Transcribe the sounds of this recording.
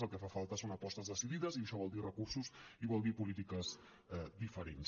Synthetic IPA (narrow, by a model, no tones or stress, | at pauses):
əlˠkəfafalˠt̪əsonɐpɔst̪əzðəsiðiðəziəʃɔβɔlˠd̪irəkuɾsuziβɔlˠd̪ipulit̪ikəz | ɛd̪ifəɾens